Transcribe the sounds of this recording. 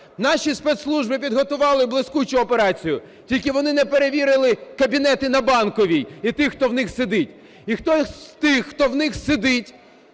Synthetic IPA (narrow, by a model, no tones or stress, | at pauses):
nɑʃʲispɛt̪slˠuʒbɪpʲid̪ɦɔt̪ʊʋɑlˠɪblˠɪsʲkut͡ʃʊɔpeɾɑt͡sʲijʊ | tʲilʲkɪʋɔnɪnɛpeɾeʋʲiɾɪlˠɪkɐbʲinɛt̪ɪnɐbɑnkɔʋʲijit̪ɪxxt̪ɔwnɪxsɪd̪ɪtʲ | ixt̪ɔt̪ɪxːt̪ɔwnɪxsɪd̪ɪtʲ